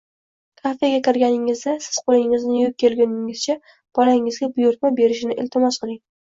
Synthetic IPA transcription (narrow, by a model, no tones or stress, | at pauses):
kʰafeɡʲakʲɪɾɡʲanɪŋɪzd̪asɪz̥qʰolɪŋɪznɪjop̚kʲʰːelɡʲʊnɪŋɪz̥t͡ʃʰa | b̥ɒlaɪŋɪzɡʲabʊjʊɾt̪̚mabe̞ɾɪʃɪnɪʔɪ̰lt̪ʰɪmɒsqɨlˠɪŋ